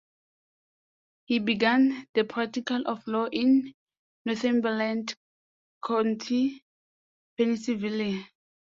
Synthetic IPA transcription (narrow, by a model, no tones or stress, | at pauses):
hibiɡãndəpʰɹak̚tikalʔɔflɔʔĩnː | ɔθɛ̃mbɛlãnd | kʰãntʰi | pɛnisiviliã